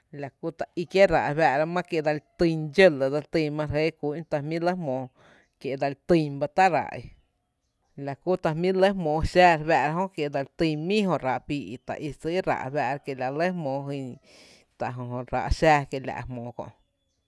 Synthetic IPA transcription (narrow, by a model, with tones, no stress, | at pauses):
la˨ku˦t̪a˨i˧kje˦ɾa̰˨ʔβa˧˨ɾa˧mã˦ke˧˨d̪a˧lt̪ĩ˧nd͡ʒə˦lə˨d̪a˧lt̪ĩ˧mã˧ɾe˦kuː˧˦ʔt̪a˧hmĩ˦lə˦mõː˧ | kje˨d̪a˧lt̪ĩ˧mba˧t̪a˦ɾa̰˨ʔḭ˧ | la˨ku˦t̪a˨mĩ˦lə˦hmõː˨˧ʃaː˦˧ɾba˧ʔɾa˧ɦõ˦kje˨d̪a˧lt̪ĩ˧mĩ˦hõ˧ɾa˧˨ʔpiː˧i˧t̪a̰˨ʔi˧si˦ɾa̰˨ʔba˧ʔɾa˧ke˨la˨ʔlə˦mõː˧ɦi˧ | t̪a˨ɦõ˨ɦõ˧ɾa̰˧ʔʃaː˦˧ke˧˨la̰˨ʔhmõː˨kõ̰˧˨ʔ